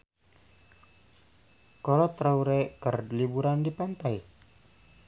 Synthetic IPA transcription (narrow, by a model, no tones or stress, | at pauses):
kɔlɔt̪ɾauɾekərlibuɾandipant̪ai